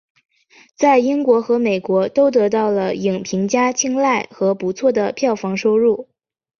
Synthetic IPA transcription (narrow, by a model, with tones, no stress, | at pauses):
t͡sa˥˩ɪi˥ŋkwɔ˧˥xɤ˧˥me˨˩ɪkwɔ˧˥t̪o˥ʊt̪ɤ˧˥t̪ɑ˥˩ʊlə˩i˨˩ŋpʰi˧˥ŋt͡ɕja˥t͡ɕʰi˥ŋla˥˩ɪxɤ˧˥pu˧˥t͡sʰwɔ˥˩d̪ə˩pʰjɑ˥˩ʊfɑ˧˥ŋʂo˥ʊɻu˥˩